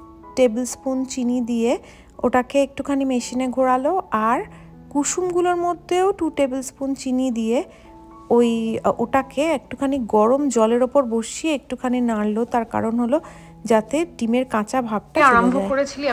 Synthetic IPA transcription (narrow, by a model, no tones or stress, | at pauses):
ʈebelspunt͡ɕinid̪ije | o̰ʈakeek̚ʈukʰanimeʃineɡʱoɾaloaɾ | kuʃumɡuloɾmod̪ʱːeoʈuʈebelspunt͡ɕinid̪ije | ojoʈakeek̚ʈu̥kʰaniɡɔɾomd͡ʑɔleɾopoɾboʃieek̚ʈukʰaninaɽlot̪aɾka̰ɾonɦolo | d͡ʑat̪eʈimeɾkãt͡ɕabʱab̚ʈaoambʱooɾet͡ɕʰili